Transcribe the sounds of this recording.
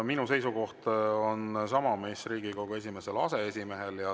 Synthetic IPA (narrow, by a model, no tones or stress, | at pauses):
minuse̞jsuko̞ht̪o̞nsɑmɑme̞ːsriːɡ̥ikowɡ̥ues̬ʲime̞se̞lɑse̞esʲime̞ɦe̞ljɑ